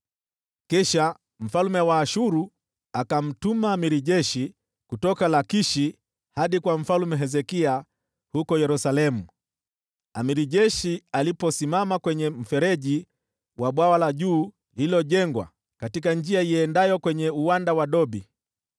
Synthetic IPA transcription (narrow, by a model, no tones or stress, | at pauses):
kɛʃa | m̩falmɛwaːʃuɾu | akam̩tumamiɾiʄɛʃi | kutɔkalakiʃi | haɗikwam̩falumɛɦɛzɛkia | hukɔjɛɾusalɛmu | amiɾiʄɛʃialipɔsimamakwɛɲɛm̩fɛɾɛʄi | waɓwawalaʄuː | liilɔʄɛŋɡwa̰ | katikand͡ʒiaiɛndajɔkwɛɲɛuwandawaɗɔɓi